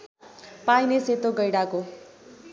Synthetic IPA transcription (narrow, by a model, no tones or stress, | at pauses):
pajneset̪oɡʌjɽako